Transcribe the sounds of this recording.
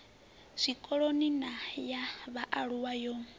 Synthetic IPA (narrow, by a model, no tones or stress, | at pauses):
sʷikʼɔɺoninajaβaʔaɺuwajɔ